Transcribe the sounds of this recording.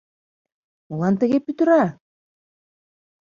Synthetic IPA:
mulˠɑnt̪ɘ̆ɣepyt̪ɘ̆ɾæ

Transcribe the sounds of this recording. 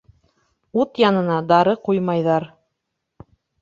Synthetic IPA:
ut̪jɑnɤ̆nɑd̪ɑɾɤqujmɑjðɑɾ

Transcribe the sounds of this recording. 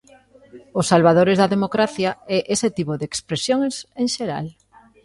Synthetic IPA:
ʊsːalβaðoɾezðaðemokɾaθjaɛʔeset̪ipoðekspɾesjoŋseŋʃeɾa̰l

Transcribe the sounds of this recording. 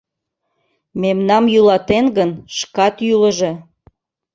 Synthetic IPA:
memnɑmjylɑt̪enɡənʃkɑt̪jyləʒe̽

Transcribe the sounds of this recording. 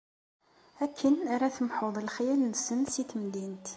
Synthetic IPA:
ækʰːənaɾaθəmħoðˤlχjælnəsənsiθəmd̪int̪

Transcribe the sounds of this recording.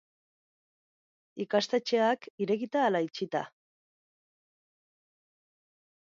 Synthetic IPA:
ikast̪e̞t͡ʃe̞akiɾe̞ɣit̪aːlait͡ʃit̪a̰

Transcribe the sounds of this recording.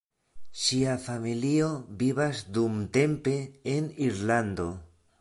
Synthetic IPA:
siafamiliobiβasd̪umt̪empeːniɾland̪o

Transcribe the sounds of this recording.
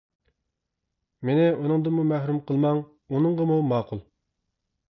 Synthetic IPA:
menɪunɨŋd̪əmumæhɾumqʰəlˠmɑŋ | unɨŋʁəmumɑːqulˠ

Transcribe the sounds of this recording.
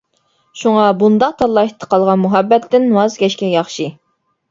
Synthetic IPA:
ʃuŋɑbund̪ɑq̚t̪ʰɑlːˠɑt̪ʰːə̥qʰɑlˠʁɑnmuɦɛbːɛt̪ʰːɪnwɑzɡʲɛʃkʲɛjɑχʃi

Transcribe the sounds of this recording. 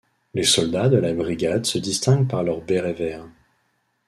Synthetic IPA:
lesɔld̪ad̪əlabʁiɡʲad̪səd̪ist̪ɛ̃ɡpaʁlœʁbeʁevɛʁ

